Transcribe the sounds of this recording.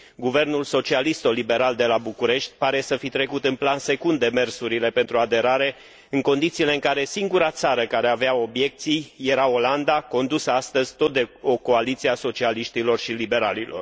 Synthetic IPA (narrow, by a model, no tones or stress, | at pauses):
ɡuve̞rnulso̞t͡ʃialist̪olibe̞ɾald̪e̞labukuɾe̞ʃt̪ʲpaɾe̞səfit̪ɾe̞kut̪ɨnplanse̞kund̪ːe̞me̞rsuɾile̞pe̞nt̪ɾuad̪e̞ɾaɾe̞ | ɨŋko̞nd̪it̪siːle̞ɨŋkaɾe̞siŋɡuɾat̪saɾəkaɾe̞aveao̞bje̞k̚t̪sijje̞ɾao̞land̪ako̞nd̪usəast̪əzʲt̪o̞t̪̚d̪eo̞ko̞alit̪sieaso̞t͡ʃialiʃt̪ilo̞rʃilibe̞ɾalilʔo̞r